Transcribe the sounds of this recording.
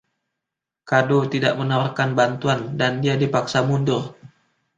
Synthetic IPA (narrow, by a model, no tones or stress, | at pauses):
kadot̪idaʔmənawarkanbant̪uandandiadipaksamundʊr